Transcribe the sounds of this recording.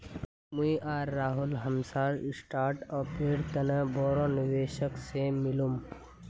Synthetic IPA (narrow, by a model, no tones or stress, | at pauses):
muiʔaːɾːaːɦʊlɦəmsaːɾsʈaːɾʈɔːpeːɽt̪ɐnə̃bɔːɾõniʋeːʃəksemɪlum